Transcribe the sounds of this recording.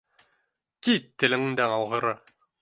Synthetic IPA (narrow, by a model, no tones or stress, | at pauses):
kit̪ːɘ̆lɘ̆ŋɘŋd̪æŋɑlˠʁɤ̆ɾɤ